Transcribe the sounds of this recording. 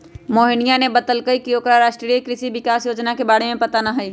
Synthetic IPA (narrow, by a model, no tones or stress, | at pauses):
moːɦɪnɪjanebɐt̪əlkəikioːkɾaɾaːʃʈɾikɾɪʃiʋɪkaːsjoːd͡ʒnakebaːɽ̤emẽpɐt̪anaɦɐiː